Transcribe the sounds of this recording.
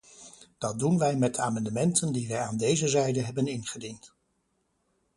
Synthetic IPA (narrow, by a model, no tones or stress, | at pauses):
d̥ɑt̚dunʋɛjmɛt̚dəaːmɑndəmɛntəndiʋɛjaːndejzəzɛjdəɦɛbənɪnχədint